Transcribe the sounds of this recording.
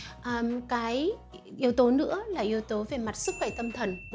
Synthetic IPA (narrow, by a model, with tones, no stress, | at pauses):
ʔəː˨˩kaː˨˦jʔi˨˦əwt̪o˨˦nɨ̰˧˥əlaː˨˩ʔi˨˦əwt̪o˨˦ve˨˩ma˨˩t̚sɨ˦˥k̚xwɛ˧˩t̪ə˧mt̪ʰə˨˩nɓ